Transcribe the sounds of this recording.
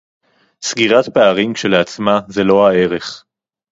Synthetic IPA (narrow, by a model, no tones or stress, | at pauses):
sɡiʁat̪peaʁimʃelat͡smazelo̞hae̞ʁe̞χ